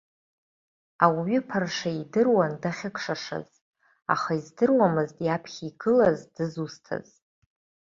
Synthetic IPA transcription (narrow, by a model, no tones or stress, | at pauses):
awɥʏpʰarʂaidɨrwandaχʲɪkʰʂaʂa̰z | a̰χaizdɨrwamɨzdjapʰχʲiɡɨlazdɨzustʰa̰z